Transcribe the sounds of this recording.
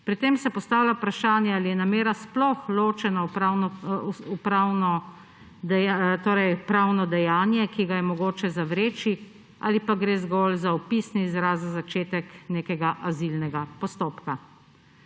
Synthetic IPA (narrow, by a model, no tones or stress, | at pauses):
pɾit̪eːmsɛpɔst̪aːwlʲapɾaʃaːnjɛalijɛnameːɾasplɔxloːt͡ʃɛnapɾawnɔupɾaːwnɔ | d̪ɛat̪oːɾɛjpɾaːwnɔd̪ɛjaːnjɛkiɡajɛmɔɡoːt͡ʃɛzaʋɾeːt͡ʃi | a̰ːlipaɡɾeːzɡɔlzaɔpisniːzɾaːzazat͡ʃeːt̪ɛkneːkɛɡaʔazilnɛɡapɔst̪oːpka